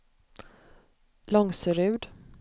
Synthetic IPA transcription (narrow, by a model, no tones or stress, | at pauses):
lɔŋsəɾʉ̟ːd̪